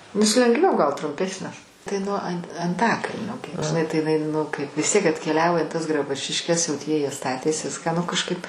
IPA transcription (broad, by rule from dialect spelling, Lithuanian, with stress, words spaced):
nʲɛs lʲɛŋɡˈʋʲɛʊ ɡɐlˠ trʊmʲˈpʲæːsʲnʲɛs tɐɪ nuɔ ɐnʲ ɐnˈtɑːkɐlʲnʲoː ɡʲɪ ʒʲɪˈnɐɪ tɐɪ ɪˈnɐɪ ˈnʊ kɐɪp ʋʲɪs ˈtʲiɛk ɐtʲkʲɛˈlʲæːʋoː ɪ tɐs ɡrɐˈbʊt͡ʃʲɪʃʲkʲɛs jɛʊ ˈtʲiɛ jiɛ ˈstɑːtʲeːs ˈʋʲɪskɑː nʊ kɐʃkɐɪp